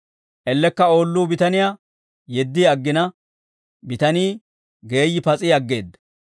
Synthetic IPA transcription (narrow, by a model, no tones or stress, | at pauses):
ʔɛlːɛkːɐo̞ːlːuːbɪt̪ɐnɪjaː | jɛd̪ːiɐɡːɪnɐ | bɪt̪ɐniː | ɡe̞ːjːɪpɐt͡sʼiɐɡːe̞ːd̪ːɐ